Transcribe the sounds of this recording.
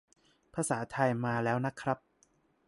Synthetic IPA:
pʰa˧saː˩˦t̪ʰa˧jmaː˧lɛː˦˥wna˦˥kʰɾa˦˥p̚

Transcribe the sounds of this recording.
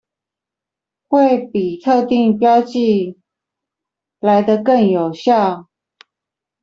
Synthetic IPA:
xwe˥˩ɪpi˨˩t̪ʰɤ˥˧t̪i˥˩˨ŋpjɑ˥˦ʊt͡ɕi˥˧ | la˧˥ɪd̪ə˧kə˥˩ŋjo˨˩ʊɕjɑ˥˩

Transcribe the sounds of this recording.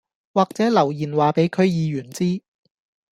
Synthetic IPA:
waː˨k̚t͡sɛː˨˥lɐ˨˩wjiː˨˩nwaː˨pe˨˥jkʰɵ˨˧ɥjiː˨˧jyː˨˩nt͡siː˥

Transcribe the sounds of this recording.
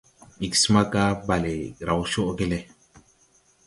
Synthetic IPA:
i˨ksma˦ka˦ba˨le˨ɾa˨wʃo˦ʔɡe˦le˦

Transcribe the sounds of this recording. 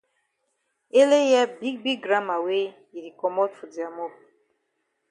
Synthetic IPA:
e˦le˦jɛ˦bi˦ɡ̚bi˦ɡɡɾa˦ma˨we˦ | i˨ɾi˨kɔ˨mɔ˦tfu˨di˨a˨mɔ˦p̚

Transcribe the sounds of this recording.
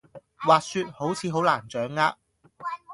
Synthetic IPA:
waː˨k̚syː˧t̚ho˨˥wt͡sʰiː˨˧ɦo˨˥wlaː˨˩nt͡sœː˨˥ŋːaː˧˥k̚

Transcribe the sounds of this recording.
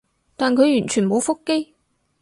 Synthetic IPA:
t̪aː˨nkʰɵ˨˧ɥjyː˨˩nt͡ʃʰyː˨˩nmo˨˧wfʊ˥kːe˥j

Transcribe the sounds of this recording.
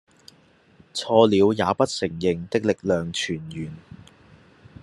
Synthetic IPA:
t͡sʰɔː˧liː˨˧wjaː˨˧pɐ˥t̚sɪ˨˩ŋjɪ˨˩ŋt̪ɪ˥k̚lɪ˨k̚lœː˨ŋt͡ʃʰyː˨˩njyː˨˩n

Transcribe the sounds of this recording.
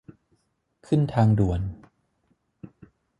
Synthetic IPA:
kʰɯ˥˩nt̪ʰaː˧ŋdu˨˩ən

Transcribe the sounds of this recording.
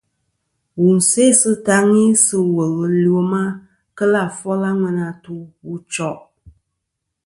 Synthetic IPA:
wu˨n̩˨se˦sɨ˦ta˦ŋi˦sɨ˦wə˨lɨ˨li˨o˦ma˦ | kə˦la˦˨fɔ˦la˦ŋʷɛ˧na˧tu˦wu˦t͡ʃɔ˦ʔ

